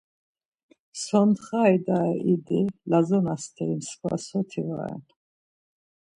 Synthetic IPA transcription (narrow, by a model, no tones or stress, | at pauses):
sɔnd̪χajd̪aɛʔid̪ilazɔnast̪ʰɛimskʰva̰sɔt̪ʰiva̰ɛ̰n